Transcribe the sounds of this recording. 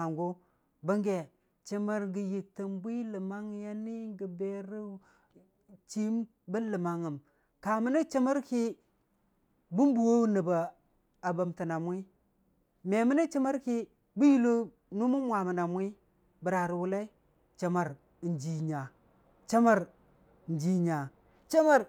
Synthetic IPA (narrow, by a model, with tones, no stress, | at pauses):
a˨ŋɡo˦ | bə˦ŋɡe˨ | t͡ʃə˦ma˦ɾŋɡi˨ji˨tə˨mbʷi˦lə˨ma˦ŋ˦ja˦ni˦ŋɡə˨be˦ɾi˦ | t͡ʃi˦m | bə˦lə˨ma˨ŋə˨m | ka˨mə˦ni˦t͡ʃə˦ma˦ɾki˦ | bu˦m˦bu˨wo˦nə˨ba˨ | a˨ba˨mti˨na˨mwʷi˦ | me˨mə˦ni˦t͡ʃi˦ma˦ɾki˦ | bu˦ji˦lo˦ | nu˦mu˦mwa˨mə˨na˨mwi˦ | bə˨ɾa˨ɾi˨wu˨la˦i˦ | t͡ʃa˨ma˨ɾ | nd͡ʒi˨ɲa˨ | t͡ʃa˦ma˦ɾ | n˦d͡ʒi˨ɲa˨ | t͡ʃa˦ma˦ɾ